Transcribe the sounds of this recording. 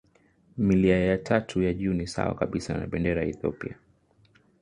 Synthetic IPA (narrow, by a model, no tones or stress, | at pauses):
miliajatʰatʰujaʄuːnisa̰wa̰kaɓisana̰ɓɛndɛɾajɛθiɔ̰pḭa